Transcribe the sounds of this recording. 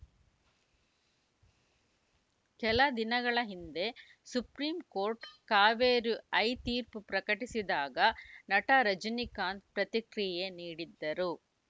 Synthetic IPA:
kɛlɐd̪inɐɡɐɭɐɦind̪e̞ | supɾiːmkoːɾʈkaːʋeːɾuɐjt̪iːɾpupɾɐkɐʈisid̪aːɡɐnɐʈaɾɐd͡ʒɐnikaːnd̪pɾɐt̪ikɾijeniːɽid̪ːɐɾu

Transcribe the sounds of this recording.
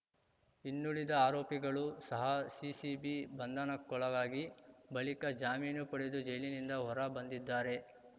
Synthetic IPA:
inːuɭid̪ɐaːɾoːpiɡɐɭusɐɦɐsisibibɐnd̪anɐkːɔɭɐɡaːɡibɐɭikɐd͡ʒaːmiːnupɐɽed̪ud͡ʒɐjlinind̪ɐɦɔɾɐbɐnd̪id̪ːaːɾe̞

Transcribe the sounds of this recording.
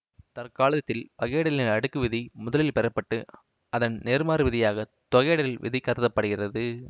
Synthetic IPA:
t̪ɐrkaːlɐðɐt̪ːɪlpɐɣeːɽɐlɪnɐɽɯkːɯʋɪðimʊðɐlɪlpɛɾɐpːɐʈːɯ | ɐðɐnneːɾmaːɾɯʋɪðɪjaːɣɐt̪ɔɣeːɽɐlɪlʋɪ̰ðɪkːɐɾɯðɐpːɐɽɯɣɪrɐðɯ

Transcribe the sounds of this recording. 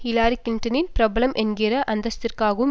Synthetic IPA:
hɪlaːɾikːɪɳʈɐnɪnpɪɾɐbɐlɐmʔɛnɡɪɾɐʔɐnd̪ɐst̪ɪrkaːɣɐɯm

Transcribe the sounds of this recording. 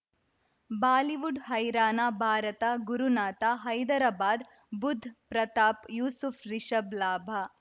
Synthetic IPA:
baːliʋuɖɦɐjɾaːnaːbʱaːɾɐt̪aɡuɾunaːt̪aɦɐjd̪ɐɾaːbaːd̪ | bud̪ʱːpɾɐt̪aːpjuːsufʰɾiʃɐblaːbʱa

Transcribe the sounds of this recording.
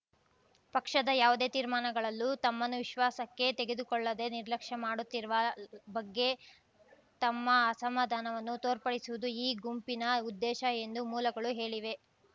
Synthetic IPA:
pɐkʂɐd̪ɐjaːʋud̪e̞ːt̪iːɾmaːnɐɡɐɭɐlːut̪ɐmːɐnuʋiʃʋaːsɐkːe̞t̪e̞ɡe̞d̪ukɔɭːɐd̪e̞niɾlɐkʂɐmaːɽut̪ːiɾʋɐbɐɡːe̞ | t̪ɐmːɐːsɐmaːd̪ʱaːnɐʋɐnːut̪oːɾpɐɽisuʋud̪uiːɡumpinɐud̪ːɛːʃɐe̞nd̪umuːlɐɡɐɭuɦe̞ːɭiʋe̞

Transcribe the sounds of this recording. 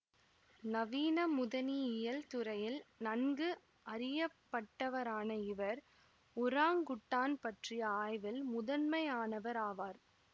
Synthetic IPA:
nɐʋiːnɐmʊðɐniɪjɐlt̪ʊɾɐjɪlnɐnɡɯ | ʔɐɾɪjɐpːɐʈːɐʋɐɾaːnɐɪʋɐɾ | ʊɾaːŋɡʊʈːaːnpɐʈrɪjɐaːjʋɪlmʊðɐnmɐɪaːnɐʋɐɾaːʋaːɾ

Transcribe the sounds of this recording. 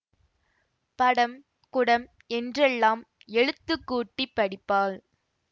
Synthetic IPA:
pɐɽɐm | kʊɽɐm | ɛndrɛlːaːm | ɛɻɯt̪ːɯkːuːʈːipːɐɽɪpːaːl

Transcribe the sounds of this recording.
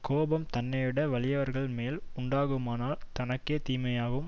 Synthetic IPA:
koːbɐmt̪ɐnːɐʋɪɽɐʋɐɭɪjɐʋɐɾɣɐɭmeːlʊɳɖaːɣɯmaːnaːlt̪ɐnɐkːeːt̪iːmɐjaːɣɐɯm

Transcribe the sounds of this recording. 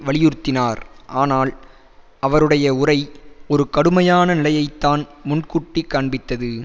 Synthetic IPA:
ʋɐɭɪjʊɾt̪ːɪnaːɾʔaːnaːl | ʔɐʋɐɾɯɽɐjɐʊrɐɪɔɾɯkɐɽɯmɐjaːnɐnɪlɐjɐɪt̪ːaːnmʊɳkʊʈːikːaːɳbɪt̪ːɐðɯ

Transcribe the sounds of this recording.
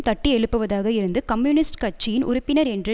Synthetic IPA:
t̪ɐʈːiɛɭɯpːɯʋɐðaːɣɐɪɾɯnd̪ɯkɐmːjuːnɪsʈkɐt͡ʃːɪjɪnʔʊ̰ɾʊpːɪnɐɾɛndrɯ

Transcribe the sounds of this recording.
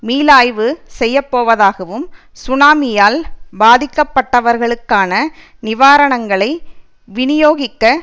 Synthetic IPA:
miːlaːjʋɯsɛjːɐpːoːʋɐðaːɣɐʋɯm | sʊnaːmɪjaːlbaːðɪkːɐpːɐʈːɐʋɐɾɣɐɭɯkːaːnɐ | nɪʋaːɾɐɳɐŋɡɐɭɐɪ | ʋɪnɪjoːɣɪkːɐ

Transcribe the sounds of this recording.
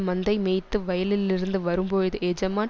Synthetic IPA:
mɐnd̪ɐɪmeːt̪ːɯʋɐjɐlɪlɪɾɯnd̪ɯʋɐɾɯmpoːɻðɯɛd͡ʒɐmaː

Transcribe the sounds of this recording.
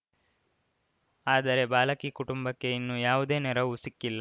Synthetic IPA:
aːd̪ɐɾe̞baːlɐkiːkuʈumbɐkːe̞inːuːjaːʋud̪e̞ːnɛɾɐʋusikːilːɐ

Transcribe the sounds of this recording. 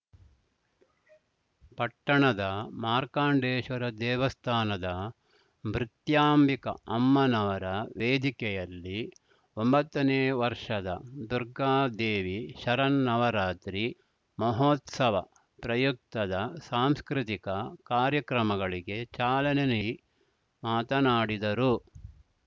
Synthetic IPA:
pɐʈːɐɳɐd̪ɐmaːɾkaːɳɖeːʃʋɐɾɐd̪ɛːʋɐst̪ʰaːnɐd̪ɐ | mɾit̪jaːmbikɐ̰ɐmːɐnɐʋɐɾɐʋeːd̪ikɛjɐlːi | ombɐt̪ːɐneːʋɐɾʂɐd̪ɐd̪uɾɡaːd̪eːʋiʃɐɾɐnːɐʋɐɾaːt̪ɾi | mɐɦoːt̪sɐʋɐ | pɾɐjuk̚t̪ɐd̪ɐsaːmskɾit̪ikɐkaːɾjɐkɾɐmɐɡɐɭiɡe̞t͡ʃaːlɐnen | maːt̪ɐnaːɽid̪ɐɾu

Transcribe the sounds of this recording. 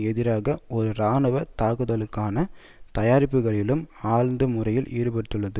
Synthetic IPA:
ɛðɪɾaːɣɐɔɾɯɾaːnɯʋɐt̪aːɣɯðɐlɯkːaːnɐ | t̪ɐjaːɾɪpːɯɣɐɭɪlɯmaːɻnd̪ɯmʊrɐjɪlʔḭːɾɯpɐɽɯt̪ːɯɭːɐðɯ

